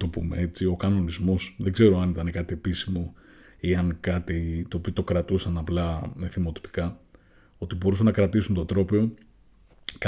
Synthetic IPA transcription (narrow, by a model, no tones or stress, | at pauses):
t̪o̞pṵme̞̰e̞t͡sio̞kɐno̞nizmo̞sðe̞ɡze̞ɾo̞ɐnit̪ɐnekɐt̪ie̞pisimo̞ | iɐnkɐt̪it̪oːpiot̪o̞kɾɐt̪usɐnɐplɐmeθimo̞t̪i̥pi̥kɐ | o̞t̪ibo̞ɾusɐnːɐkɾɐt̪isunt̪ot̪ɾo̞pe̞o̞ | k